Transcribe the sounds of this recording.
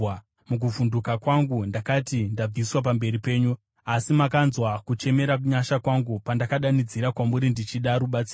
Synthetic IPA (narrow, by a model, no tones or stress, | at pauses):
muk̬uvundukakwaŋɡundakatindab͡viswap̬ambe̞ɾipe̞ːɲu | asimakanzwakut͡ʃe̞me̞ɾakuɲaʃakwaŋɡupandakaɗanid͡ziɾakwamuɾindit͡ʃiɗaɾuɓat͡si